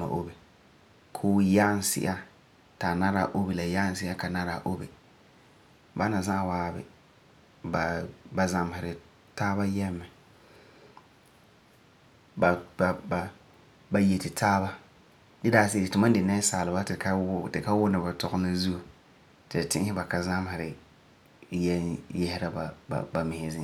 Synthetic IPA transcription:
ma̰˨ʔo̰˦bi˨ | kʰoː˦ja˦n˨sɪ̰˦ʔa˦ | ta˨na˦ɾa˨ʔo˦bi˨la˨ja˦n˦sɪ˦a˦ka˨na˦ɾa˨ʔo˦bi˨ | ba˦na˨zã˦˨waː˦bɪ̰˨ | ba˨ba˨za˨m˨hɪ˨ɾɪ˨ | taː˦βa˦jɛ˦mːɛ˨ | ba˨ba˨ba˨ | ba˨jɛ˨tɪ˨tʰaː˦ba˦ | dɪ˦daː˦se˦ɾɪ˨tʊ˨ma˦n˦dɪ˨na˦saː˨lɪ˨ba˦tɪ˨ka˦tɪ˨ka˦wʊ˦nɪ˨ba˨tɔ˨ɣʊ˦la˦zu˦˨ | tɪ˨tɪ˦ʔhɪ˦ba˨ka˨za˦m˦hɪ˨ɾɪ˨ | jɛ˦jɛ˦hɪ˦ɾa˦ba̰˨ba˨mɪ˨hɪ˨zɪ˦

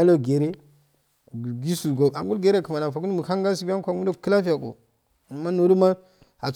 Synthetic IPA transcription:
a˦lo˦ɡe˨ɾe˦˨ | ɡi˦su˨ɡo˨a˨ŋɡu˦lɡe˨ɾe˦kə˨ma˨na˨fa˨ku˦n˦mu˨ka˦ŋɡa˦si˨ɡa˦kʷa˨ɡu˦do˦˨kə˦la˦fi˦ja˨ko̰˨ | a˨ma˦no˨ɾu˦ma˦ | a̰˨

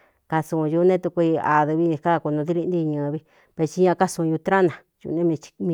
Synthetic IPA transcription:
ka˧su˧ju˧nẽ˦t̪u˧kʷi˧a̰˨ðɨ˧βi˦˧ka˦˨ku˧nũ˧ði˦li˧nd̪i˦˧ɲã˧βi˧˦ | βe˧t͡ʃi˧ɲã˧ka˦sũ˧ju˧t̪ɾã˦nã˨ | jṵ˧nẽ˦˧t͡ʃmĩ˧

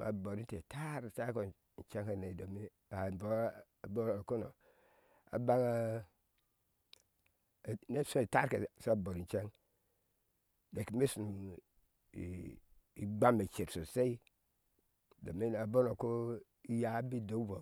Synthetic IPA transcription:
a̰˨bo˨ɾi˦te˨ta˦ɾsa˦ko˨ | n̩˨t͡ʃe˦ŋha˨ne˨do˨mi˦˨ | a˨bo˦˨ | bo˦˨ko˦no̰˨ | a̰˨ba˦ŋa˦˨ | ne˦su˦i˨ta˦ɾkḛ˨so˦a˨bo˨ɾi˨n̩˨t͡ʃe˦ŋ | de˨ki˨me˦su˨nu˨ | ḭ˦ɡ͡ba˦me˨t͡ʃe˨ɾso˨se˦i˦ | do̰˨mi˦˨a˨bo˦no˨ko˦ | i˦ja˨˦bi˦do˦vo˨

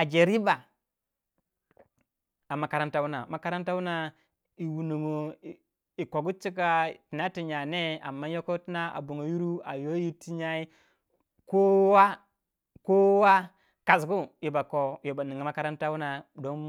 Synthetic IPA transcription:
a˨d͡ʒe˨ɾi˦ba˨ | a˨mːa˨ka˨ɾa˦nta˦wu˦na̰˨ma˨ka˦ɾa˦nta˦wu˦na˨ | i˨wu˨nu˨ŋo˨ | i˨ko˨ɡu˦t͡ʃi˦k̬a˨ti˨na˦ti˨ɲa˨ne˦a̰˨mːa˦jo˦ko˦ti˦na˦a̰˨bu˨ŋo˨ju˦ɾu˦a˨jo˦ji˦ti˦ɲa˦i˦ | ko˦wa˦ | ko˦wa˦ | ka˨sɡu˦ji˨ba˨ko˨jo˨ba˨ni˨ŋo˨ma˦ka˦ɾa˦nta˦wu˦na˨do˦n

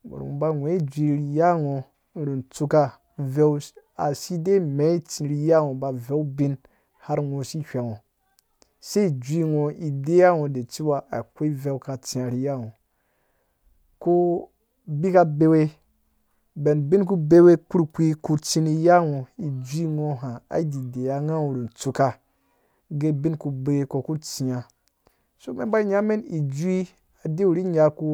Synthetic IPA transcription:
ṵ˨ṵ˨u˨ba˧˨ŋʷ˨ẽ˨˦i˦d͡ʒʷi˧ɾi˨ja˦ŋo˨˦ | ɾu˨nt͡su˧ka˦ | vɛ˦w | a˨si˦de˦me˨˦i˦t͡si˨ɾi˨ja˦ŋo˨ba˨vɛ˦u˦bĩ˦n | ha˦ɾŋo˨si˦hʲʷa˨ŋõ˨ | se˦i˨d͡ʒʷi˦ŋɔ˨i˨de˦ja˦ŋo˨de˨t͡si˦wa˦ʔa˨kʷe˦i˦vɛ˦wka˨t͡si˨a˨ɾi˨ja˦ŋo˨ | ko˦ | bi˦ka˦be˦we˦ | be˨nbi˦nk̬u˦be˦we˦ku˦ɾkʷi˦ku˦t͡si˦ni˦ja˦ŋo˨i˨d͡ʒʷi˦ŋo˦ɦa˨a̰˦di˨de˨ja˨ŋa˦u˨ɾi˨n˨t͡su˨ka˦˨ | ɡe˦bi˦nku˨be˦e˦ko˨ku˦t͡si˨ja˨ | so˦me˦ba˦i˦ɲa˦me˦ni˨d͡ʒu˦i˦ | a˨de˦u˨ɾi˦ɲa˦ku˦

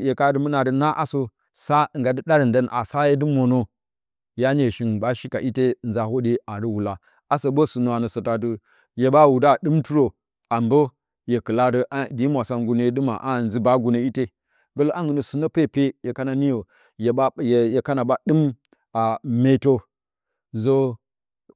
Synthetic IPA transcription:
je˨ka˦də˦mə˦na˨də˨na˦ʔa˦so˦ | sa˦˨ŋ˨ɡa˨di˦ɗa˦ɾə˨nda˦nʔa̰˨sa˦je˦dɨ˦mo˨no˦ | ja˦ne˨ʃi˦n˨ba˦ʃi˦ka˨ʔi˦te˦˨nza˨ho˦de˦a˨ɾi˦wu˨la˨ | a˦so˨bo˦su˨no˨a˨nə˨so˨ta˨də˦ | je˨ba˦˨wu˨da˦˨ɗɨ˦mtu˦ɾo˨ | a˨mbo˦ | je˨kɨ˨la˦də˦ʔa˦di˦mʷ˨a˨sa˦ŋɡu˦ne˨˦dɨ˦ma̰˨ʔa˦˨n˨zi˦ba˦ɡu˨no˦i˦te˦ | ɡə˦lo˦ʔa˦ŋɡu˨nə˨su˨no˦pe˦˨pe˦je˨ka˦na˨ni˦jo˨ | je˨˦jje˨ka˦na˨ba˦ɗɨ˦m | a˨me˦to˦ | zo˦

